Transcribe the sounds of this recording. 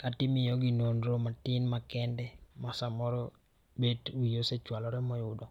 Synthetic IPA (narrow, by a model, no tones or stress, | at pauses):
katɪmɪjɔɡinonɾomatɪnmakɛndɛmɔsamɔɾɔ | bedwijoset͡ʃwalɔɾɛmɔjʊdɔ